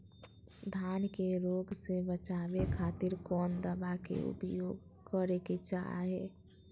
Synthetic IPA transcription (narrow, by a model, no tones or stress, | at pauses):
d̪ʱaːnkeɾoɡsebət͡ʃaːbekʰaːt̪ɪɾkɔːnd̪əbakḛʊ̰pjoːɡkəɾeket͡ʃa̰ɦḛ